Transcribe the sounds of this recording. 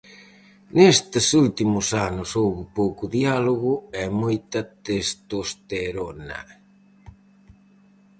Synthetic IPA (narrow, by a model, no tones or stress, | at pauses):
nest̪ɪsult̪imʊsanʊsowβɪpowkʊðialoɣʊɛmojt̪at̪est̪ost̪eɾonɐ̰